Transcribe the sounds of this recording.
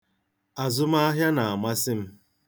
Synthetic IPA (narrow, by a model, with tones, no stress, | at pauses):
a˨zʊ˦ma˦a˦ɦja˦na˨a˨ma˦sɪ˦m̩˦